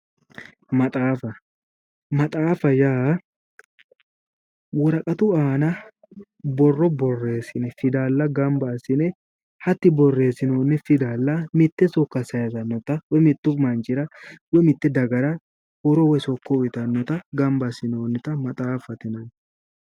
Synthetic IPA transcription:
mɐt̪ʼaːfɐ | mɐt̪ʼaːfɐjaː | wɔɾɐkʼɐt̪ʊaːnɐ | bɔrːɔbɔrːe̞ːsɪnɛfɪd̪aːlːɐɡɐmbasɪnɛ | hɐt̪ːɪbɔrːe̞ːsɪnoːnːɛfɪd̪aːlːɐmɪt̪ːɛsɔkːɐsɐjɐzɐnːɔt̪ɐwɔmɪt̪ːʊmɐnt͡ʃʼɪɾɐwɔmɪt̪ːɛd̪ɐɡɐɾɐ | hɔɾɔwɛsɔkːɔɪt̪ɐnːɔt̪ɐɡɐmbɐsɪnoːnːɪt̪ɐmɐt̪ʼaːfɐt̪ɪnɐn

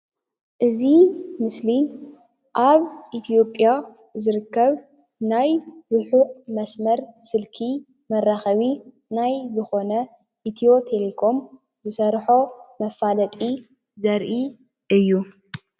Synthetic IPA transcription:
ʔɨzimɨsli | ʔaβʔit̪ʰijo̞pʼːja | zɨɾɨkːɐβ | najɾuħuʔmɐsmɐɾsɨlkʰi | mɐrːaxɐβi | najzɨxo̞nɐ | ʔit̪ʰijo̞t̪ʰe̞lekʰo̞m | zɨsɐɾħomɐfːalɐt̪ʼi | zɐɾʔi | ʔɨjːu

